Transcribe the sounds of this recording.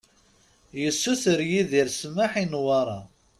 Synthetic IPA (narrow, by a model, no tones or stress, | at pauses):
jəsːuθəɾjiðiɾsmaħinwɑɾˤɑ